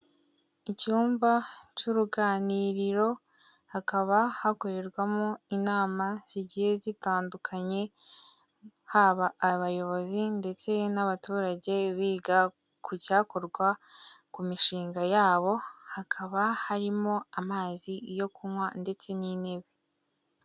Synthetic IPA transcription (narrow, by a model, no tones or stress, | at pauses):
icuːmbacuɾuɡaːniɾiɾo̞ | hakaβahakoɾe̞ɾɡwamoinaːmaz̥iɟihe̞zitaːndukʰaɲe̞ | haβaʔːβajo̞βo̞zinde̞t͡se̞naβatuːɾaɟe̞βiːɡa | kʰucaːkoɾɡwakumiʃiːŋɡajaːβo̞hakʰaβahaɾimo̞amaːzijo̞kumwande̞t͡se̞nine̞βe̞